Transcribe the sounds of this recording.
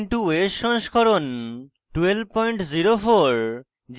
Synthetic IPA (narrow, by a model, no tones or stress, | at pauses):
nʈuesʃɔŋʃkʰɔɾon | ʈwelb̚pɔjɳʈziɾofoɾ | d͡ʑ